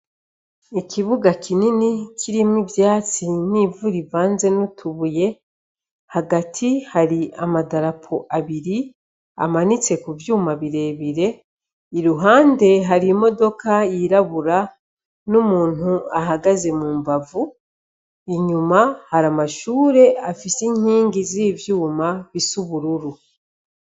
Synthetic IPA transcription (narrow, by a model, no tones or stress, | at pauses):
ikʰiβuɡakininikʰiɾimwivjaːt͡siniːvuɾivaːnze̞nutʰuβuje̞ | haɡatʰihaɾiamadaɾapʰoʔaβiɾi | a̰manit͡se̞kuvjuːmaβiɾe̞ːβiɾe̞ | iɾuɦaːnde̞ɦaɾimo̞do̞kajiɾaβuɾa | numuːn̥uaɦaɡaze̞muːmbavu | iɲumahaɾamaʃuːɾe̞afisiɲiːŋɡiziːvjuːmaβisuβuɾuɾu